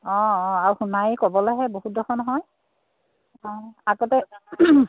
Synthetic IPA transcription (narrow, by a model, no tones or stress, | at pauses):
ɔ̃ɔ̃aɹuxunajkɔbɔlɔjɦɛboɦut̚dɔxʰɔnɔɦɔj | ɔ̃aɡɔtɛ